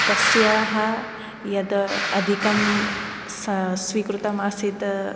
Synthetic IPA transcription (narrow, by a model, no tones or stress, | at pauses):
t̪ɐsjaɦɐ | jɐd̪ɐɐd̪ʱikɐm | ssʋiːkɾut̪ɐmaːsit̪